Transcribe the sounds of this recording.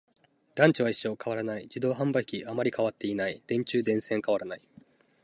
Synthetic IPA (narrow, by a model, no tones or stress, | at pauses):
d̪̥ãɲ̟t͡ɕiβ̞aiɕːo̞ːkʰaβaɾanaid͡ʑid̪o̞ːɦãmbaikʲiamaɾʲikaβat̪ːe̞inaid̪̥ẽ̞ɲt͡ɕɨːd̪ẽ̞ɰ̃sẽ̞ŋkaβ̞aɾanai